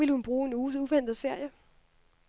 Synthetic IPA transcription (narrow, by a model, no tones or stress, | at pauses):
iləhunb̥ʁuːe̝nuuʋen̰d̥ð̩ˠfeɐ̰jə